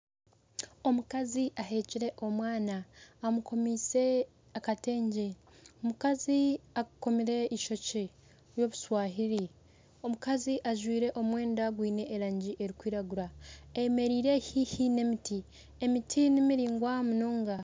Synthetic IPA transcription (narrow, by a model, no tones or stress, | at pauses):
o̞mukaziʔaɦe̞ːciɾe̞ʔo̞mwaːnaːmuko̞miːse̞ | akate̞ːɲɟe̞ | omukaziakuko̞miɾe̞iʃo̞ce | ɾjo̞ːβuswaːɦiɾi | o̞mukaziʔaʒwiːɾe̞ʔo̞mwe̞ːndaɡwiːne̞ʔːɾaːɲɟiʔeɾikwiːɾaɡuɾaeme̞ɾiːɾe̞hihine̞miti | emitʰinimiɾiːŋɡwamunoːŋɡa